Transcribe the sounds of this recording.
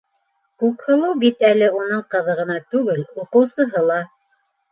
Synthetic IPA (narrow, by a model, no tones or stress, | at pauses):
kʉkhɤ̆lˠɤwbit̪ælɘunɤɴqɤ̆ðɤ̆ʁɤ̆nɑt̪ʉɡɘluqɤ̆wsɤ̆ɦɤlˠɑ